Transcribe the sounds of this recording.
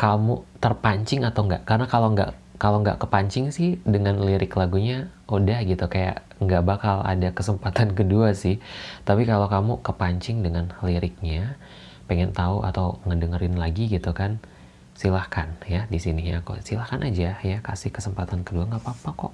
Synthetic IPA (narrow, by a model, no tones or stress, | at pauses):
kamut̪ərpaɲt͡ʃɪŋat̪awŋɡa̰ʔkarənakaloŋɡa̰ʔ | kaloŋɡa̰ʔkəpaɲt͡ʃɪŋsɪhdəŋanliɾɪklaɡuɲaodahɡit̪ukaja̰ʔ | ŋɡaʔbakala̰dakəsəmpat̪ankəduasɪht̪apikalokamukəpaɲt͡ʃɪŋdəŋanliɾɪk̚ɲa | peŋɛnt̪auʔa̰t̪awŋədəŋəɾɪnlaɡiɡit̪ukan | silahkanjadisinɪɲakṵsilahkanʔad͡ʒajakasɪhkəsəmpat̪ankəduaŋɡapapakɔ̰ʔ